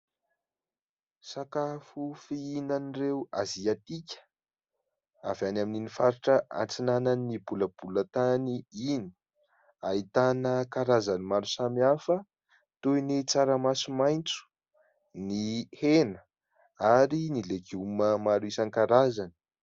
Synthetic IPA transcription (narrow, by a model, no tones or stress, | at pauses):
sakafufiinanirewa̰ziat̪ikʲə̥ | avanamininifaɾiʈ͡ʂəʔa̰nt͡sinananːibuləb̥ulət̪aniini̥ | ait̪anəkaɾazanimaɾusamiafə | t̪ujnit͡saɾamasumajnt͡su̥ | nihenə | aɾinileɡuməmaɾuisankaɾazani̥